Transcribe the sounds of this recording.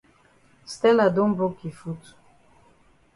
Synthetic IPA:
st̪ɛ˦la˨d̪o˦mbo˦ki˨fu˦tu̥˨

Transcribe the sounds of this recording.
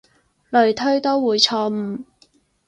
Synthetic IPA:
lɵ˨˩ɥt̪ʰɵ˥ɥt̪o˥wwuː˨˩jt͡ʃʰɔː˧m̩˨˩

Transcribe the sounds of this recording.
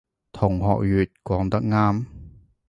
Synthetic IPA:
t̪ʰʊ˨˩ŋɦɔ̰ː˨k̚ɥyː˨t̚kwɔː˨˥ŋt̪ɐ˥k̚ŋaː˥m

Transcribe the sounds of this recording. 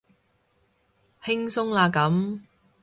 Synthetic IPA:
hɪ˥ŋsʊ˥ŋlaː˧kɐ˨˥m

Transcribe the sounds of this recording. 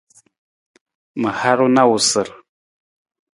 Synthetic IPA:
mə˨ha˦ɾu˦na˦wu˨sə˨ɾ

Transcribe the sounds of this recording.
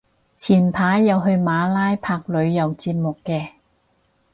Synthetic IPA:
t͡sʰiː˨˩npʰaː˨˥jːɐ˨wɦɵ˧ɥmaː˨˧laː˥jpʰaː˧k̚lɵ˨˧ɥjɐ˨wt͡siː˧p̚mʊ˨kːɛː˧

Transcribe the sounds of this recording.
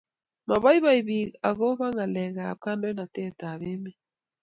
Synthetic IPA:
ma˨βa˦i˦βa˦i˨βi˨a˨ɣo˦βa˦ŋa˨lɛ˨ɣa˨ka˦ndo˦i˦na˨tɛ˦˨ta˨βe˦me˦

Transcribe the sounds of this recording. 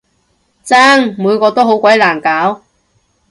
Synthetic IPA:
t͡saː˥ŋmuː˨˧jkɔː˧t̪o˥wɦo˨˥wkʷɐ˨˥jlaː˨˩nkaː˨˥w

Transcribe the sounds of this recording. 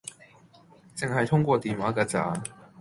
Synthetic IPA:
t͡sɪ˨ŋha˨˩jt̪ʰʊ˥ŋkwɔ˥˧˩t̪iː˨˩waː˨˧˥ɡə˨˧t͡sa̰˨˥

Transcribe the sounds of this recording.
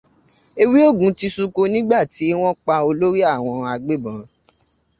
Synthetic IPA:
e˧wi˦o˦˨ɡũ˨˦ti˦sũ˧ko˧nĩ˦ɡ͡ba˦˨ti˨˦w̃ɔ̃˦k͡pa˧o˧lo˦ɾi˦a˦˨w̃ɔ̃˧a˧ɡ͡be˦bã˨

